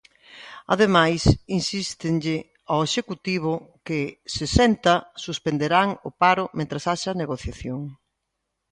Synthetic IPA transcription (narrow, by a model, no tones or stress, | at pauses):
ɐ̰ðemajsinsist̪ɪnʎɪ | aeʃekut̪iβ̞ʊkɪsesɛnt̪ɐsuspend̪eɾaŋʊpaɾʊmẽnt̪ɾasaʃɐneɣoθjaθjoŋ